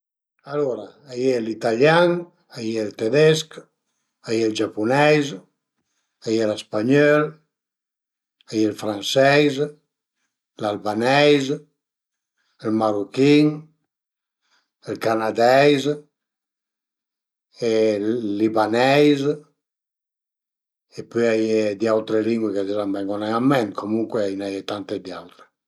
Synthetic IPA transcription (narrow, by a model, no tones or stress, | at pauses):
aloɾaajelit̪aljaŋ | ajelt̪ed̪ɛsk | ajeld͡ʒapunɛjz | ajelespaɲɔl | ajelfɾansɛjz | lalbanɛjz | ɛlmarukiŋ | elkanad̪ɛjz | eː | ibanɛjz | epøjajed̪iawt̪ɾeliŋɡweked̪izambɛŋɡɔnaŋamːɛnt̪kʰomuŋkweainajet̪ant̪ed̪ia̰wt̪ɾe